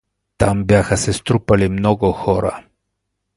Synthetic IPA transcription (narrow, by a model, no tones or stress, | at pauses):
t̪ambjaxasest̪ɾupalimnoɡoxoɾa̰